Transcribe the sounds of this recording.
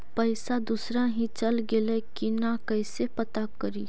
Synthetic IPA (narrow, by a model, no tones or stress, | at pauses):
pɐɪsad̪usɾaɦĩt͡ʃɐlɡelekinakɐɪsepɐt̪akəɾiː